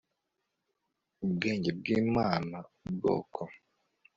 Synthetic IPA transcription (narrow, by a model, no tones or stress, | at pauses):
ubɡeːɲɟe̞bɡiːmaːnaubɡo̰ːkʰo